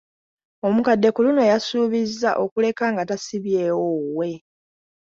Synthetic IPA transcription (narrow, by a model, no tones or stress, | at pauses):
o̞mukadːe̞kuluno̞jasuːβizːa̰ʔo̞kule̞kaːŋɡatasiβje̞ːwowe̞